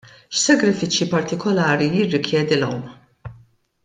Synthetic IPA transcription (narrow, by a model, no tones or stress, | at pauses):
ʃsɐɡɾɪfɪt͡ʃjipɐɾt̪ɪkɔlɐːɾijɪrːɪkʰjɛːd̪ilɐwn